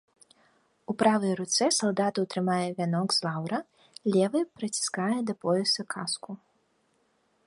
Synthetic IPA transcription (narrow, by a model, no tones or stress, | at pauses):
upɾavɐjɾut̪sɛsɐlˠd̪at̪ɐwt̪ɾɨmajɛvʲanɔɡz̥lˠawɾɐ | lʲɛvɨpɾɐt͡sʲi̥skajɛd̪ɐpɔjʲɛsɐkʰasku